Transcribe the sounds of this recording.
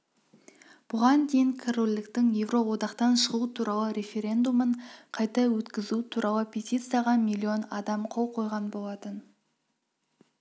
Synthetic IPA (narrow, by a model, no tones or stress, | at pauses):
b̥ʊʁɑnd̪e̞jɪŋkʰerolʲːɪkt̪ɪŋje̞vro̞wo̞d̪ɑqt̪ɑnʃəʁut̪ʰuɾʔɑlˠəɾʲe̞fʲe̞ɾʲe̞nd̪uməɴqʰɑjt̪ɑwɵt̪kʲɪzut̪ʰuɾʔɑlˠəpʰʲe̞t̪ʲit̪sɨjaʁɑmʲijlʲːio̞nɑd̪ɑmqʰo̞lˠqʰo̞jʁɑnbo̞lˠɑt̪ən